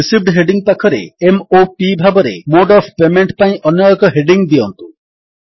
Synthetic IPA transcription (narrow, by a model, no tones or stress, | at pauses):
isib̚ɖɦeɖiŋpakʰɔɾḛemopibʱabɔɾḛmoɖɔfʰpemeɳʈpaĩʔɔnjɔjɔkɔɦeɖiŋd̪iɔnt̪u̥